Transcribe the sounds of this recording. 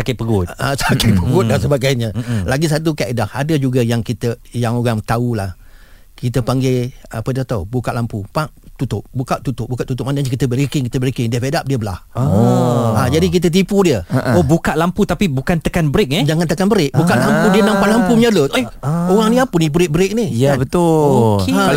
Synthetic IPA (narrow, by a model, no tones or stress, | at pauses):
sakɪpəɡʊtasakapəɡʊt̪̚dasəbaɡajɲəlaɡis̬at̪̬ukaʔedahadəd͡ʒuɡajaŋkit̪əjaŋoɣaŋt̪aulah | kit̪əpaŋɡea̰pədat̪aubukaʔlampupaʔt̪ut̪ʊp̚bukaʔt̪ut̪ʊʔ̚bukaʔt̪ːut̪ʊp̚manəɲəkit̪əbəɾikɪŋkit̪əbəɾikɪŋdiəpedap̚diəbəla̰h | ad͡ʒadik̬it̪̬ət̪̬ipudiəobukaʔlamput̪apibukant̪əkanbɾɪk̚nɛd͡ʒaŋant̪əkanbəɾɪk̚bukaʔlampudiənãmpaʔlampuməɲəlʊt̪ooɣaŋnĩapənibəɾɪk̚bəɾɪk̚nihjabət̪ʊokeã